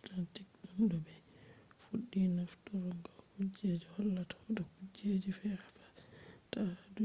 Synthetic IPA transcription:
tantikɗumdɔbɛ | fuɗːinaftɔɾɔŋɡɔkud͡ʒed͡ʒɔhɔlːatʰɔ̥dɔkud͡ʒed͡ʒifɛɾafḁ | tadu

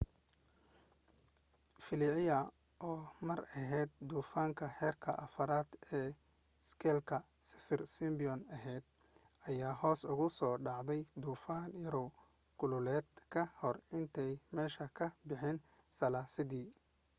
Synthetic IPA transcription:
fɪlɪʕɪjɐ | ʔɔːmɐɾɐɦɛːd̪̚d̪uːfaːŋkʰɐhɛːrkʰɐ̰ʔɐfɐɾaːd̪ɛː | skʰɛːlkʰɐ | sɪ̥fɪrsɪmbɪjɔnɐɦɛjd̪̚ | ɐjaːɦɔːsʊɣʊsɔːɖɑʕd̪ɛjd̪uːfaːnjɐɾɔ | ɡ̥ʊlʊlɛːd̪kʰɐhɔrɪnt̪ʰɛjmɛːʃɐkʰɐbɪħɪn | sɐlaːsɪd̪iː

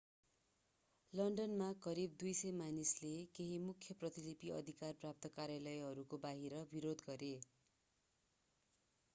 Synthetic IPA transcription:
lʌɳɖʌnmakʌɾib̚d̪ujsʌjmanislekeɦimukʰjʌprʌt̪ilipiʌ̰d̪ʱikarprap̚t̪ʌkaɾjalʌjʌɾukobaɦiɾʌbiɾod̪ɡʌɾe

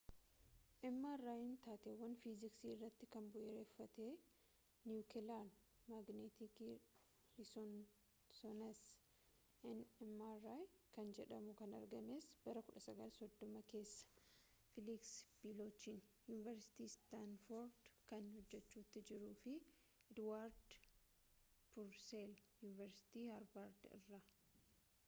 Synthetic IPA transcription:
ʔɛmːarːaːjɪnt̪aːt̪eːwːɐnfizɪksiːɪrːɐt̪ːɪkɐnbɔʔɛɾeːfːɐt̪e̞ː | njukɪlan | maɡnet̪ikː | lɪsɔn | sɔnɐs | ʔɛnɛmːarajkɐnd͡ʒɛᶑɐmʊkɐnɐ̰ɾɡɐme̞ːsb̥ɐɾɐkʊᶑɐsɐɡɐlsɔd̪ːɔmɐke̞ːsːɐ̥ | fɪliksb̥iloːt͡ʃːiːnjuːnɪvɛɾsɪ̥t̪iːst̪anfoɾd̪kɐnhɔd͡ʒːɛt͡ʃːuːt̪ːɪd͡ʒɪɾuːfɪ | ɛd̪waːɾd̪ | pʊɾseljuːnɪvɛɾsɪ̥t̪iːhɐɾbaːɾd̪ɪ̰rːɐ

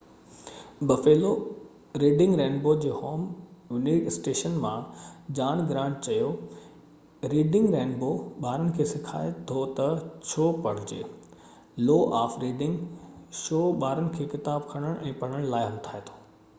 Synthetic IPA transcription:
bɐfeːlo | ɾiːɖɪ̃ŋɡɾẽːnboːd͡ʑeːhoːmjʊnisʈeːʃənmãd͡ʑaːɽ̃ɡɾãːɳʈ̚t͡ɕɐjo | ɾiːɖɪ̃ŋɡɾẽːnboɓaːɾənɪ̆kʰeːsɪkʰa̰ːet̪ʰot̪ɐt͡ɕʰoːpɐɽ̤ɪd͡ʑḛː | loːʔaːfɾiːɖɪ̃ŋɡʃoːɓaːɾənɪ̆kʰeːkɪt̪aːbkʰɐɽ̃əɽ̃ʔɛ̃ːpɐɽ̃əɽ̃laːɪɦɐmt̪ʰaːet̪ʰo̥ː

